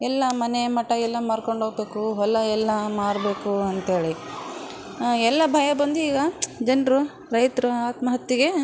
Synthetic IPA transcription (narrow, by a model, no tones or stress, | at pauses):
ɛlːɐmɐnemɐʈːɐɛlːɐmaːɾkoɳɖʱoːɡbe̞ːkuɦɔlːɐɛlːɐmaːɽbe̞ːkuɐnt̪e̞ːɭi | ɛlːɐbʱɐjɐbɐnd̪uiːɡɐd͡ʒɐnɾu | ɾɐjt̪ɾuaːt̪mɐɦɐt̪ːiɡe̞